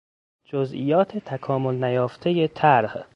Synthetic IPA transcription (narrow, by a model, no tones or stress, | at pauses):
d͡ʒozʔḭjɒːt̪ʰet̪ʰækʰɒːmolnæjɒːft̪ʰeje̞t̪ʰæɾh